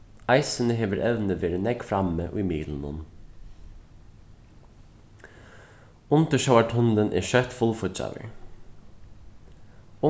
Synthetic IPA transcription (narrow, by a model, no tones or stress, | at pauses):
ɑɪsənəɦeːʋəɾʔɛʋnəʋeːɾənɛɡfɾɑməʔo̰ːiːmiːd̪l̩n̩ʊ̰n | ʊnt̪əʃɑʊaʈʰʊnd̪ənʔḛːʃœt̪fʊlfɔc͡çɑ̰ʋə̰ɹ | ʊ